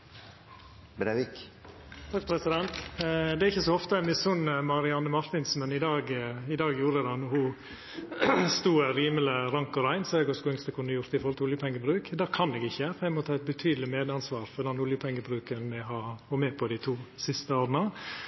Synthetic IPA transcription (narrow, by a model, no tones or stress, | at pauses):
bɾeʋɪk | t̪ʰɑkpʰɾɛsɪd̪ɛnt̪d̪ɛæɾɪçːəsɔɔft̪əɛmɪsʊnəmɑɾɪɑnːəmɑɾt̪ɪnsmɛnɪd̪ɑːɡɪd̪ɑːɡjuːɾəd̪ɑnɔhʊ | st̪uːɾiːmələɾɑŋkɔɾæɪnsɔɛɡɔskuːɪŋst̪əkʰʉnːəjʊɾt̪ɪfɔɾhlt̪əʊljəpʰɛŋːəbɾʉːkd̪æːkʰɑnɛːɡɪçːəfæɪmɔt̪ʰɑːɛt̪̚bət̪ʰyːd̪l̩ɪmeːd̪ɑnsʋɑːɾfɔd̪ɑnʊljəpʰɛŋːəbɾʉːkənmɛɦɑhɔmeːpʰɔd̪ɪt̪ʰuːsɪst̪əoːɾnɑ